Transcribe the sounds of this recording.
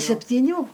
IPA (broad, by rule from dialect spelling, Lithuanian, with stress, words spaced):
sʲɛpʲtʲiːˈnʲuː